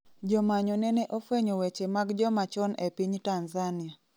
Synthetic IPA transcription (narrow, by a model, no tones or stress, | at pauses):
d͡ʒɔmaɲɔnɛnɛʔofeɲowet͡ʃemaɡd͡ʒɔmat͡ʃɔnepiɲtanzania